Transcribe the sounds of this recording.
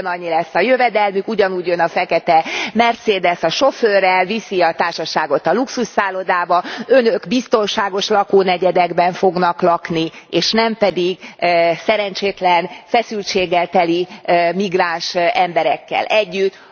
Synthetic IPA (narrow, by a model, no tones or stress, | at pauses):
nɒɲːilɛsːɒjøvɛd̪ɛlmykuɟɒnuːɟjønːɒfɛkɛt̪ɛmɛrt̪seːd̪ɛsɒʃo̞føːrːɛlvisiɒt̪aːrʃɒʃaːɡo̞t̪ɒluksusːaːlod̪aːbɒønøɡbist̪o̞nʃaːɡo̞ʃlɒkoːnɛɟɛd̪ɛɡbɛɱfo̞ɡnɒklɒknieːʃnɛmpɛd̪iɡsɛɾɛnt͡ʃeːt̪lɛnfɛsylt͡ʃeːɡːɛlt̪ɛlimiɡraːnʃɛmbɛɾɛkːɛ̰lʔɛɟːyt̪ː